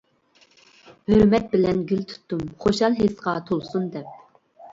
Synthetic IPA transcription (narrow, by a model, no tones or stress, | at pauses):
høɾmɛt̪̚bɪlɛnɡʲylt̪ʰu̥t̪ːumχoʃɑlˠɦesqɑt̪ʰolˠsund̪ɛp̚